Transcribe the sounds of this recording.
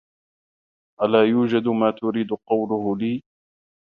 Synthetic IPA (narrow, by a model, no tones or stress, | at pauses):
ʔalaːjuːd͡ʒad̪ʊmaːt̪ʊɾiːd̪ʊqɑwlʊhʊliː